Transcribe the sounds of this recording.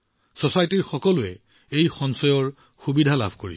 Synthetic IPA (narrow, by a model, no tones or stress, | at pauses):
sosajɔtiɹxɔkɔlʊɛ | ejxɔnsɔjɔɹ | xubidʱala̰bʱkoɹḭs